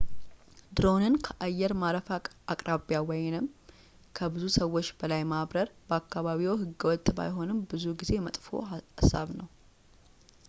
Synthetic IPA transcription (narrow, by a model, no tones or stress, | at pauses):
d̪ɾo̞nɨnkʰəʔajːɛɾmaɾəfaakʼɾʔaβjawɔjɛnɨm | kʰəbɨzusəwːo̞t͡ʃːbəlajmaβɾəɾb̥əakːaβaβiwɦɨɡːəwɔt̪ʼba̰jɦo̞nɨmbɨzuɡize̞mət̪ʼfo̞̰asːa̰βnəw